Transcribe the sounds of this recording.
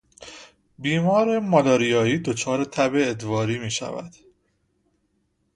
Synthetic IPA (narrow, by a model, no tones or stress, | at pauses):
biːmɒːɾemɒlɒːɾijɒːiːd̪o̞t͡ʃʰɒːɾe̞t̪ʰæbeːd̪vɒːɾiːmiːʃæ̰væ̰d̪̥